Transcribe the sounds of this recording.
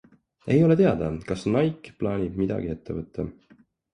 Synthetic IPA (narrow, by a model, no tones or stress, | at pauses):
e̞jo̞le̞t̪e̞ɑd̪̥ɑkɑsnɑjkːˑplɑːnʲib̥̚mid̪̥ɑ̰ɡ̥ie̞t̪ʰːe̞vɤt̪ːˑɑ